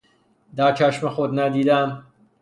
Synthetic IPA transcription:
d̪æːɾt͡ʃʰæʃmexod̪næd̪iːd̪æm

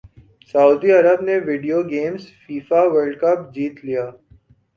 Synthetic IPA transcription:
sɐuːd̪iɐɾəbneʋɪɖijoɡeːmzfiːfaʋəɾɖkɐpd͡ʒiːt̪lijaː

